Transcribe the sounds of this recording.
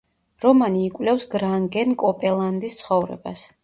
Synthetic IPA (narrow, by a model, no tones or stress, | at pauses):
ɾɔmaniːkʼwlɛfsɡɾaŋɡɛnkʼɔpʼɛlˠand̪ist̪sʰχɔvɾɛ̰bas